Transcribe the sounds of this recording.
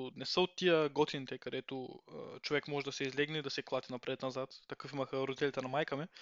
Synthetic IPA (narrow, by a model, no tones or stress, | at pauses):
nɛsəot̪ːijəɡɔt̪init̪ɛkɐd̪ɛt̪oə̰t͡ʃovɛkmɔʒɛd̪ɐsɛizlɛɡnɛid̪ɐsɛklˠat̪inɐpɾɛt̪nɐzat̪ːɐkɤfimɐxəɾʊd̪it̪ɛlʲit̪ɛnɐmajkəmɛ